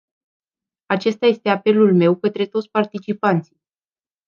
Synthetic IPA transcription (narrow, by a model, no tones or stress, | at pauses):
at͡ʃe̞st̪aje̞st̪e̞ape̞lulme̞wkət̪ɾe̞t̪ot̪sʲpart̪it͡ʃipant̪sij